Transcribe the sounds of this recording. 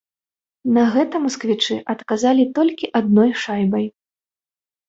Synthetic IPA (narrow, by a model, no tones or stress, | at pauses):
nɐɣɛt̪ɐmuskvʲit͡ʂɨʔɐt̪kazalʲit̪ɔlʲkʲiʔad̪̚nɔjʂajbɐj